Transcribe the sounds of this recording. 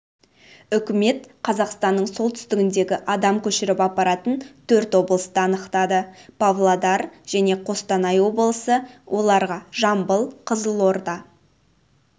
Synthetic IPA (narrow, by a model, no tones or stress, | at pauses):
ʏkʲɪme̞t̪qʰɑzɑqst̪ɑnːəɴso̞lˠt̪ʰʏ̥st̪ɪɡʲɪnd̪e̞ɡʲɪʔɑd̪ɑmkʲʰɵʃɪɾɪpɑpːɑɾɑt̪ənt̪ʰɵɾt̪wo̞blˠəst̪əɑnəqt̪ɑd̪əpʰavlˠad̪ɑɾʒ̥æne̞qʰo̞st̪ɑnɑjwo̞blˠəsəwʔo̞lˠɑɾʁɑʒɑmbəlˠqʰəzəlˠo̞ɾd̪ɑ